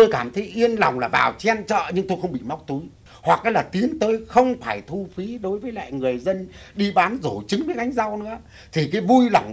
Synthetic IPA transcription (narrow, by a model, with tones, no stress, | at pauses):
t̪o˧jkaː˧˩mt̪ʰə˨˦jʔi˧ənla˨˩wŋ͡mlaː˨˩vaː˨˩wt͡ɕɛ˧nt͡ɕə̰ː˧˨ɲɨ˧ŋt̪o˧jxə˧wŋ͡mɓḭ˧˨ma˦˥wk͡p̚t̪u˨˦j | hwa˨˩k̚ʔaː˨˦jlaː˨˩t̪i˨˦ənt̪əː˧jxə˧wŋ͡mfaː˧˩jt̪ʰu˧fi˨˦ɗo˨˦jvəː˨˦jla̰ː˧˨jŋɨ˨˩əjzə˧nɗi˧ɓaː˨˦nzo˧˩t͡ɕɨ˨˦ŋvə˨˦ʔa˧jŋ̟za˧wnɨ̰˧˥ə | t̪ʰi˨˩kaː˨˦jvu˧jla˨˩wŋ͡m